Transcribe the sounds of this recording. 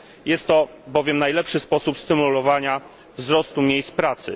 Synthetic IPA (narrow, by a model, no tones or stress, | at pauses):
jɛst̪ːɔ | bɔvʲjɛmnajlɛpʂɘspɔsupst̪ɘmulɔvaɲa | vzɾɔst̪umʲjejspɾat̪sɘ̰